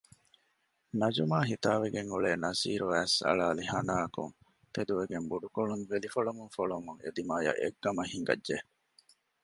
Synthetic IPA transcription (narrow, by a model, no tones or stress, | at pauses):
nɐd͡ʒumaːɦit̪aːʋeɡeŋuɭeːnɐsḭːɾuæːsɐ̰ɭaːlihɐnaːkṵŋ | t̪ed̪uʋeɡembuɖukoɭunʋelifɐɭumuŋfoɭumuŋḛd̪imaːjɐ̰ʔḛɡːɐmɐɦiŋɡɐ̰dʒe